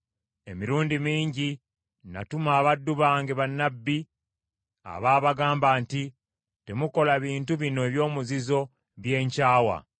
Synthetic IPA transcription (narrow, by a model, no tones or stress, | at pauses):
e̞miɾuːndimiːɲɟi | na̰tumaːβadːuβaːŋɡeβanːabːi | a̰βaːβaɡaːmbaːnti | te̞muko̞laβiːntuβinoeβjo̞ːmuzizo̞ | βje̞ːɲcaːwa̰